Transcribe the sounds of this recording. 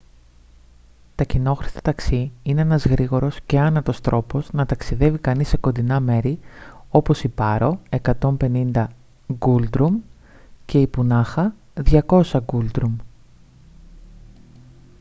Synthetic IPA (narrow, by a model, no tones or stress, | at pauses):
t̪ɐcino̞xɾist̪ɐ̥t̪ɐksiine̞enɐzɣɾiɣo̞ɾo̞sce̞ɐnɐt̪o̞st̪ɾʔo̞poznɐt̪ɐksiðe̞vikɐnisːe̞ko̞nd̪inɐme̞ɾio̞po̞sipɐɾo̞e̞kɐt̪o̞mpe̞nind̪ɐ | ɡuld̪ɾum | ce̞ipunɐxɐ | ðʝɐko̞sɐɡuld̪ɾum